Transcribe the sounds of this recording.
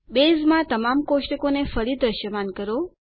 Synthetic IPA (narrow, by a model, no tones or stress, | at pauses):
bezmãt̪əmamkoʃʈəkonefəɾid̪ɾəʃjəmankəɾo